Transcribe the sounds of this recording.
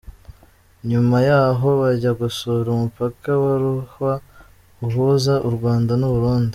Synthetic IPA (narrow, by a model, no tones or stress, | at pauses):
ɲumajaːɦo̞βaɟaɡusuβɾumupakawaɾuhwa | uɦuzaʔuɾɡwaːndanuβuɾuːndi